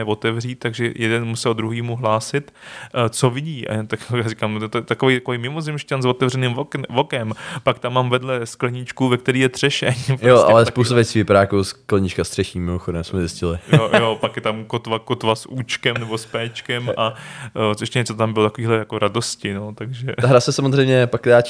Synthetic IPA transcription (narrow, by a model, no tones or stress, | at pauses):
ɛvot̪ɛvriːt̪̚t̪ːaɡʒɛjɛdɛnmusɛld̪ɾuɦiːmuɦlaːsɪt̪t͡sovɪɟiːʔa̰jat̪akjaːɾɪkaːmot̪ojɛt̪akovɛjt̪akovɛjmɪmozɪmʃcanzvot̪ɛvrɛnɪmovokɛmpak̚t̪amːaːmvɛdlɛsklɛɲɪt͡ʃkuvɛk̚t̪ɛɾiːjɛt̪r̥ɛʃɛɲpjoʔa̰lɛspowst̪avjɛt͡siːvɪpaɾaːkowsklɛɲit͡ʃkast̪r̥ɛʃiːmmɪmoxodɛmsmɛzɪscɪlɪjojjopakjɛt̪amkot̪vakot̪vasuːt͡ʃkɛmnɛbospɛːt͡ʃkɛmʔa | ɛʃcɛɲɛt͡sot̪ambɪlot̪akoviːɦlɛjako̞ɾado̞scɪnot̪aɡʒɛt̪aɦɾasɛsamozrɛjmɲɛpak̚t̪daːt͡ʃ